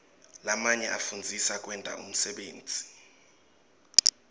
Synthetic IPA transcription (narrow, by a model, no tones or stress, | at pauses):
lamaɲɛʔafund͡zʱisakʼwɛntʼa̰ʔṵm̩sɛɓeːnd͡zʱi̥